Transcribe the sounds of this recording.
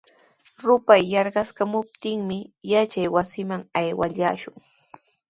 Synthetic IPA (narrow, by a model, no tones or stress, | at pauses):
ɾʊpajːɑɾɢɑskamʊp̚t̪ɪŋmɪjat͡ʃajwasɪmaŋajwaʎaːʃʊŋ